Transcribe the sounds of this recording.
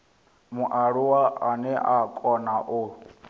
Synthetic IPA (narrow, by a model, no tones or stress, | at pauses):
muʔaɺuwaanɛʔakʼɔnaʔʊ